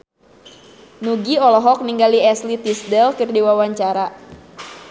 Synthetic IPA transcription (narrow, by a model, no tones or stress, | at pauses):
nuɡiɔlɔɦɔk̚niŋɡaliɛslit̪isdɛlkɨrdiwawaɲt͡ʃaɾa